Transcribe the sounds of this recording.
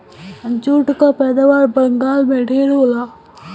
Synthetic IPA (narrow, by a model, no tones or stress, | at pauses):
ɐ̃nt͡ʃuːʈkapɛːd̪aːʋaːɾbɐŋɡaːlmẽɖʱeːɾɦoːlaː